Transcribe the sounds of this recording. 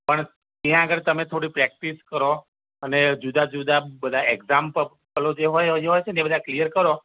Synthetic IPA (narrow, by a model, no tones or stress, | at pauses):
pəɳ | t̪jãəɡəɾt̪əmet̪ʰoɽipɾɛk̚ʈiskəɾo | əned͡ʒud̪ʱad͡ʒud̪ʱabəd̪ʱaɛɡzampə | pəlod͡ʒeɦojɦojt͡ʃʰenebəd̪ʱaklijəɾkəɾo